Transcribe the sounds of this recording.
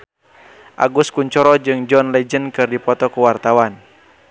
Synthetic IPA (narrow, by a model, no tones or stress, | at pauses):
ʔa̰ɡuskuɲt͡ʃɔɾɔd͡ʒɨŋd͡ʒɔnlɛd͡ʒənkɨrdipɔt̪ɔkuwart̪awan